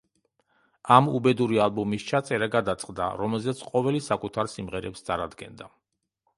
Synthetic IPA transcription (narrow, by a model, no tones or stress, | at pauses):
amubɛd̪uɾialˠbɔmist͡ʃʰat̪sʼɛɾaɡad̪at̪sʼqʼd̪a̰ɾɔmɛlzɛt̪sʰqʼɔvɛlisakʼut̪ʰaɾsimʁɛɾɛpst̪sʼaɾad̪ɡɛ̰nd̪a